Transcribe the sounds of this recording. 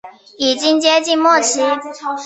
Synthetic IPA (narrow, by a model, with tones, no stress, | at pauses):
i˨˩t͡ɕi˥ŋt͡ɕjɛ˥t͡ɕi˥˧nmwɔ˥˩t͡ɕʰi˧˥